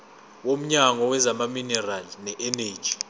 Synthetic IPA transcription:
wom̩ɲaŋɔwɛzamaminɛralinɛʔɛneːd̥ʒ̥ʱi̥

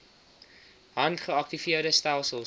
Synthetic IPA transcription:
ɦɐntχəɐk̚tifiərdəstælˠsəlˠ

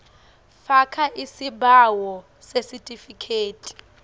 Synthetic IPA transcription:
fakʰaʔisiɓawɔ | sesitʼifikʰeːtʼi̥

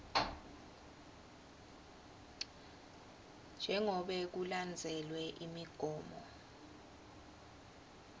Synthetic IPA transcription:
nd͡ʒʱɛŋɔɓɛk̬uland͡zʱɛlwɛʔimiɡ̥ʱɔːmɔ

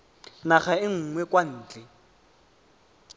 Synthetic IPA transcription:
naχaɪŋ̩ːŋwɛkwan̩ːt͡ɬʼɛ

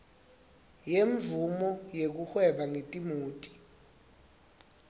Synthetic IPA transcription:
jeɱvumɔjek̬uxwɛɓaŋetʼimuːtʼi̥

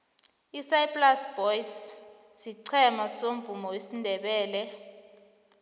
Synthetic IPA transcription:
isaipʼlasb̥ɔjis | siǀʰɛmasoɱvumɔwesindʱɛɓɛːlɛ

